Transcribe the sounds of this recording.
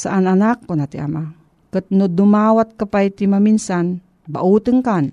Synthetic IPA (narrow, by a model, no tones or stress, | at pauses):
saʔananak̚konat̪iʔa̰ma | kət̪̚nod̪umawat̪̚kapajt̪imaminsan | ba̰ʔut̪ɨŋkan